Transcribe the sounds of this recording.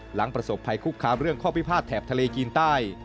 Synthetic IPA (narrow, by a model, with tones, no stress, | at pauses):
la˩˦ŋpɾa˧so˨˩pʰːa˧jkʰuː˥˩kʰːaː˧mɾɯ˥˩əŋkʰɔː˥˩pʰi˦˥˩pʰaː˥˩t̪ʰːɛː˨˩p̚t̪ʰa˧leː˧kiː˧nt̪aː˥˩j